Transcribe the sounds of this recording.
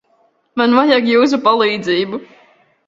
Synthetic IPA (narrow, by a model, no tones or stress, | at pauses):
manvajakjuːs̬upalˠiːd̪ziːbu